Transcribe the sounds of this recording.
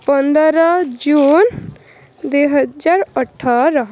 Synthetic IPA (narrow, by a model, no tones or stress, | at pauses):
pənd̪ɾəd͡ʒuːn | d̪eɦəd͡ʒaɾəʈʰːaɾə